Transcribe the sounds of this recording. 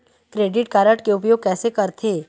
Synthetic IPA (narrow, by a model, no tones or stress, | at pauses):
kɾeːɖɪʈkaːɾəʈkeʊp̬joːɡ̚kɛːsekɐɾt̪ʰeː